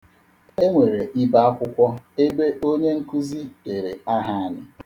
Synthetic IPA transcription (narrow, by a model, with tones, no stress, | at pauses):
e˦ŋʷe˨ɾe˨ʔi˦ba˦a˦kʷʊ˦kʷɔ˦e˦be˦ʔo˦ɲe˦ŋ̩˦ku˦zi˦be˨ɾe˨a˦ɦa˦a˨nɪ̰˨